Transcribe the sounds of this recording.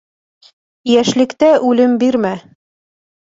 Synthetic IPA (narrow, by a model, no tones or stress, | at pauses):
jæʃlɘ̆kt̪æʔʉlɘmbiɾmæ